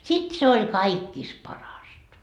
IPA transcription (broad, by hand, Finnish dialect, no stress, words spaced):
sit se ol kɑikːis pɑrɑstɑ